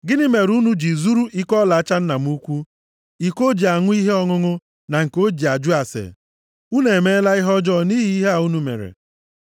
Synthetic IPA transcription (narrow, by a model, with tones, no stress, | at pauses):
ɡɪ˦nɪ˦me˨ɾu˦nu˦d͡ʒi˨zu˦ɾu˦ʔi˦kɔ˦la˨a˦t͡ʃa˦n̩˦na˨m˦u˦kʷu˦ | i˨ko˦d͡ʒi˨a˨ŋʷʊ˦i˦ɦe˦ɔ˦ŋʊ˦ŋʊ˦ | na˨ŋ̩˨ko˦d͡ʒi˨a˨d͡ʒʊ˦a˨sḛ˨ | u˦ne˨me˦la˦ɪ˦ɦɔ˦d͡ʒɔ˦ni˦ɦi˦i˦ɦe˦a˨u˦nu˦mḛ˨ɾḛ˨